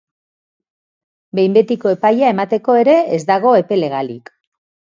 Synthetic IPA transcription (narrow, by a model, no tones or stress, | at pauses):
be̞jmbe̞t̪iko̞e̞pajae̞mat̪e̞ko̞e̞ɾe̞ezd̪aɣ̞o̞e̞pe̞le̞ɣ̞alḭk